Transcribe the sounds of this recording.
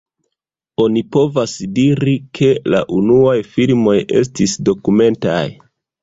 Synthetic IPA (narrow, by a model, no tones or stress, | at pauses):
o̞nipo̞vasdiɾikʰe̞la̰ʔunuajfilmo̞je̞̰s̬tisdo̞kume̞nta̰j